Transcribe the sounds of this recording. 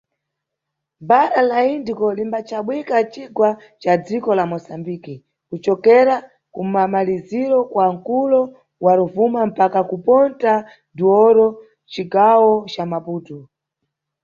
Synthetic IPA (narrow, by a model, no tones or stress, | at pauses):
baɾalaindikɔlimbat͡ʃaɓwikat͡ʃiɡwa | t͡ʃad͡zikɔlamɔsambiki | kut͡ʃɔkɛɾa | kumamaliziɾɔkwaŋ̩kulɔ | waɾuvumam̩pakakupɔnta | duɔɾɔ | t͡ʃikawɔt͡ʃamapuːtu